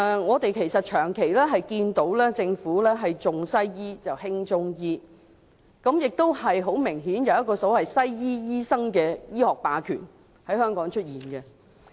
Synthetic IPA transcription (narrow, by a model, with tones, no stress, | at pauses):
ŋɔː˨˧t̪e˨jkʰe˨˩jsɐ˨t̚t͡ʃʰœː˨˩ŋkʰe˨˩jlɛː˥ɦɐ˨jkiː˧nt̪o˨˥wlɛː˥t͡sɪ˧ŋfuː˨˥lɛː˥ɦɐ˨jt͡sʊ˨ŋsɐ˥jjiː˥t͡sɐ˨whɪ˥ŋt͡sʊ˥ŋjiː˥ | kɐ˨˥mjɪ˨k̚t̪o˥whɐ˨jɦo˨˥wmɪ˨˩ŋɦiː˨˥njɐ˨wjɐ˥t̚kːɔː˧so˨˥whɐ˨jsɐ˥jjiː˥jiː˥sɐ˥ŋkɛː˧jiː˥hɔː˨k̚paː˨˧kʰyː˨˩n | hɐ˨˥jhœː˥ŋkɔː˨˥ŋt͡ʃʰɵ˥t̚jiː˨˩nkɛ˧